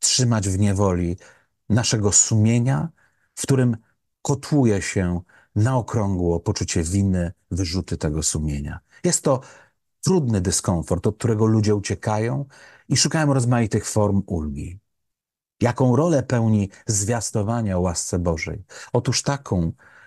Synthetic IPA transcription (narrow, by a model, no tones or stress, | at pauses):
tʂɘmad͡ʑvɲɛvɔlʲi | naʂɛɡɔsumʲjeɲa | fkt̪uɾɘm | kɔt̪ʰwujɛɕɛ | naɔkɾɔŋɡwɔpɔt͡ʂut͡ɕɛvʲinɘ | vɘʐut̪ɘt̪ɛɡɔsumʲjeɲa̰ | jɛst̪ːɔ | t̪ɾud̪nɘd̪ɘskɔwfɔɾt̪ɔt̪̚t̪uɾɛɡɔlud͡ʑɛut͡ɕɛkajɔ̃w̃ | iʂukajɔ̃w̃ɾɔzmajit̪ɘxfɔɾmulɡʲi | jakɔ̃w̃ɾɔlɛpɛwɲizvʲjast̪ɔvaɲawast̪sɛbɔʐɛ̰jɔt̪uʂt̪akʰɔ̃w̃